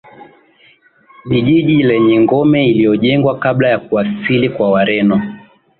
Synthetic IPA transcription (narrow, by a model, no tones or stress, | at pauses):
viʄiʄilɛɲɛŋɡɔmɛilijɔʄɛŋɡwakaɓlajakuasilikwawaɾɛnɔ